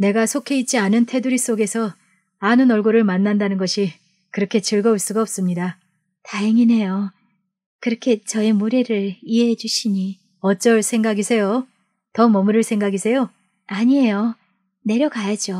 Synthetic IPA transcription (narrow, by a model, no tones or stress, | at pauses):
ne̞ɡasʰokʰe̞it̚t͡ɕ͈ianɯntʰe̞duɾis͈oɡe̞sʰʌ | anɯnʌɭɡoɾɯɭmanːandanɯnɡʌɕʰi | kɯɾʌkʰe̞t͡ɕɯɭɡʌuɭs͈uɡaʌp̚s͈ɯmɲida | taeŋine̞jo | kɯɾʌkʰe̞t͡ɕʌemuɾeɾɯɾieɦed͡ʑuɕʰiɲi | ʌt͡ɕ͈ʌɭsʰe̞ŋɡaɡisʰe̞jo | tʌmʌmuɾɯɭsʰe̞ŋɡaɡisʰe̞jo | aɲie̞jo | ne̞ɾjʌɡajad͡ʑo